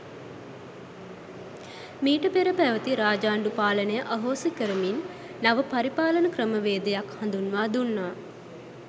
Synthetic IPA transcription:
miːʈəpeɾəpæʋət̪iɾaːd͡ʒaːɳɖupaːlənəjəʔaɦoːsikəɾəminː | aʋəpaɾipaːlənəkrəməʋeːd̪əjakhand̪unʋaːd̪unːʋa

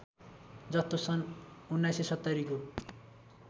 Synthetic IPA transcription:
d͡zʌst̪ːosʌnunːajsesʌt̪ːʌɾiko

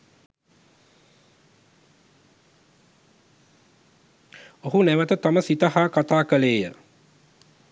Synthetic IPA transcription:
oɦunɛʋət̪ət̪aməsit̪əɦaːkat̪aːkəleːjə

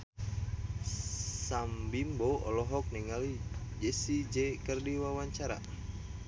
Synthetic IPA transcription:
sambimbɔɔ̰lɔɦɔk̚niŋalid͡ʒesid͡ʒɛkərdiwawaɲt͡ʃaɾa̰

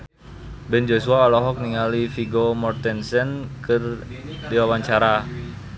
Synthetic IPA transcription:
bɛnd͡ʒosuaɔlɔɦɔk̚niŋalifiɡomɔrt̪ɛnsɛnkɨrdiwawaɲt͡ʃaɾa

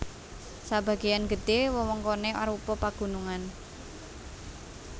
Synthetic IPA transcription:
saba̤ɡ̥e̤janɡə̤d̪ewɔwɔŋkoneʔa̰ɾupɔpaɡ̥ṳnuŋan

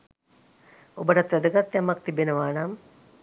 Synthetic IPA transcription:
obəʈat̪ʋæd̪əɡat̪jamakt̪ibenəʋaːnam

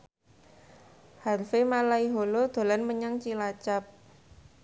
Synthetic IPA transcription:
harfemalaiɦolod̪̥o̤lanməɲaŋt͡ʃilat͡ʃap̚

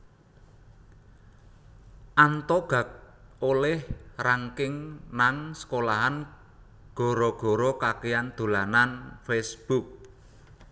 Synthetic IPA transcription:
ʔant̪ɔɡ̥ä̤k̚ | olɪhraŋkɪŋnaŋsə̥kolaɦan | ɡ̥ɔ̤ɾɔɡ̥ɔ̤ɾɔkakejand̪̥o̤lananfɛsb̥uk̚

